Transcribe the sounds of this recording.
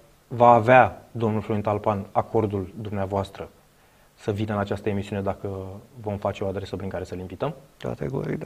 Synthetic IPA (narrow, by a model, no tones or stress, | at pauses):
vaːvead̪o̞mnulfɾujnt̪alpanako̞rd̪uld̪umneavoast̪ɾə | səvinəɨnat͡ʃast̪əe̞misiuned̪akəvo̞mfat͡ʃe̞o̞ad̪ɾe̞səpɾiŋkaɾe̞səlimvit̪əmka̰t̪eɡo̰ɾḭd̪